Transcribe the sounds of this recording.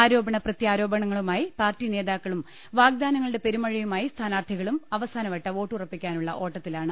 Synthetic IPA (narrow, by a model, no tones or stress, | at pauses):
aːɾo̞ːbɐɳɐprɐt̪jaːɾo̞ːbɐɳɐŋːɐɭumaːjipaːrtːine̞ːðaːkːɐɭum | ʋaːɡ̚d̪aːnɐŋːɐɭɨɽe̞pe̞ɾumɐɻijumaːjist̪ʰaːnaːrt̪ʰiɣɐɭumɐʋɐsaːnɐʋɐʈːɐo̞ːʈːɨurɐpːikʲːaːnuɭːɐ̰ʔo̞ːʈːɐt̪ːilaːɳɨ